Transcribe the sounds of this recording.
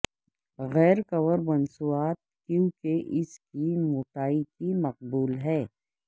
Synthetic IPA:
ɣɛːɾkɐwəɾmɐnsuaːt̪̚kjũkeʔɪskimʊːʈaːikimɐq̚buːlɦɛː

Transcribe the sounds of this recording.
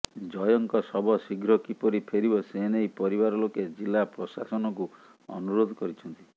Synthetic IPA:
d͡ʒɔjɔŋkɔsɔbɔsiɡʱɾɔkipɔɾipʰeɾibɔsenejpɔɾibaɾɔloked͡ʒilapɾɔsasɔnɔku | ɔ̰nuɾod̪ʱɔkɔɾit͡ʃʰɔnt̪i

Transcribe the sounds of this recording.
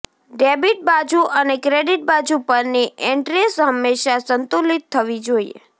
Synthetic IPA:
ɖebiʈ̚bad͡ʒuʔənekɾeɖiʈ̚bad͡ʒupəɾniʔeɳʈɾesɦəmːeʃasənt̪ulit̪ʰːəʋid͡ʒoiḛ

